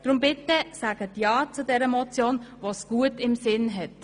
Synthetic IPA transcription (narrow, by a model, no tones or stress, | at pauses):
d̥ɾʊmbɪtəsaːɡ̥ətjɑːt͡sudɛɾəmɔt͡sjoːnvɑsɡ̥uətɪmsɪnɦɛt